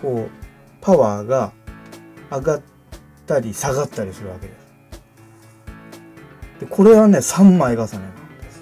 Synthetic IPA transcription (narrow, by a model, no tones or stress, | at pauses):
ko̞ː | pʰaβaːɡaː | ɡat̪ː | aɾʲisaɡat̪ːaɾʲisɨɾɯ̟βake̞d̪e̞sɨ̥ | d̪̥e̞kʰo̞ɾe̞βane̞sãmːaiɡasanenad̪esɨ̥